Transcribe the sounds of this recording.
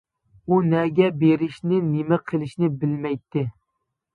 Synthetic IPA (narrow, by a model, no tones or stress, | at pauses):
unɛɡʲɛbeɾɪʃnɪnɪmɪqʰəlˠɪʃnɪbɪlmɛjt̪ʰːɪ